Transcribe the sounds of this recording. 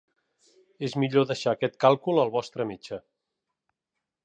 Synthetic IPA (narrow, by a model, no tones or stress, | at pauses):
ezmiʎoðəʃaːkɛt̪kalˠkulˠəlˠβɔst̪ɾəmit͡ʃə